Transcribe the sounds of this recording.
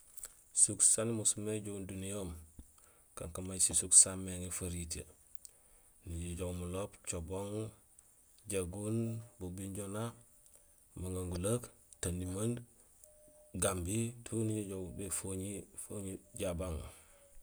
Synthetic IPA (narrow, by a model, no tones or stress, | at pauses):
suksanimusumeɟoɡundunijom | ka̰ŋkamajsisuksamːeŋefaɾitḛ | niɟiɟoɡmulopt͡ʃoboŋ | ɟeɡunbubiɲɟona | maŋɡaŋɡulak | tanimand | ɡambitʰuniɟiɟoɡbefoɲifoɲiɟabaŋ